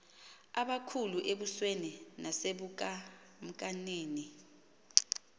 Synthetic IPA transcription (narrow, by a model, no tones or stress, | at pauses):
aɓakʰuluʔeɓusweninaseɓukʼa | m̩kʼaneːni